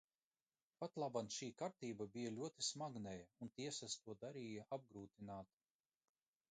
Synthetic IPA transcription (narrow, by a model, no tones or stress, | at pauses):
pat̪lˠabanʃiːkaɾt̪iːbabijalʲuɔt̪ismaɡnɛjaunt̪iɛsast̪uɔd̪aɾiːjaʔab̚ɡɾuːt̪inaːt̪